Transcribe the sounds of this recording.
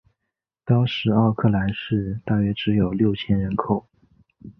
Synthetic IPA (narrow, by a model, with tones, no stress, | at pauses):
t̪ɑ˥ʊʂɻ̩˧˥ɑ˥˧ʊkʰɤ˥˩la˧˥nʂɻ̩˥˧t̪a˥˩ɥɛ˥ʈ͡ʂɻ̩˧˥jo˨˩ʊljo˥˩ʊt͡ɕʰjɛ˥nɻə˧˥nkʰo˨˩ʊ